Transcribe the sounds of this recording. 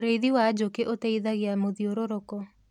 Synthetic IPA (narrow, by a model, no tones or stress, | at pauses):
ɾeiðiwad͡ʒokeʔot̪eiðaɣeamoðioɾoɾɔkɔ